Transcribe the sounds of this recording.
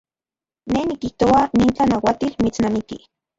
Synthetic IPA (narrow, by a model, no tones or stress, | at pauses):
nenikiht̪oaniːnt͡ɬanawat̪ilmit͡snamikḭ